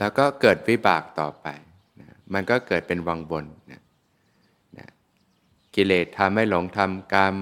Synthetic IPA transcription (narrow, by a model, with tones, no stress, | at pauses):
lɛː˦˥wkɔː˥˩kɤː˨˩t̪̚wi˦˥baː˨˩k̚t̪ɔː˨˩pa˧j | na˦˥ma˧nkɔː˥˩kɤː˨˩t̪̚pe˧nwaː˧ŋwo˧nːa̰˦˥ | na̰˦˥ | ki˨˧˩leː˨˩t̪ʰːa˧mha˥˩jlo˩˦ŋt̪ʰa˧mkaː˧m